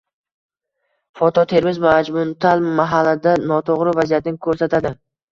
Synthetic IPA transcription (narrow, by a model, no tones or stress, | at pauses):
fɒt̪ʰɒt̪ʰe̞ɾmɪzvaad͡ʒmʊnt̪ʰalmaɦalːad̪anɒt̪ʰoʁɾɪvazijat̪nɪkʰɵɾsat̪ʰad̪ɪ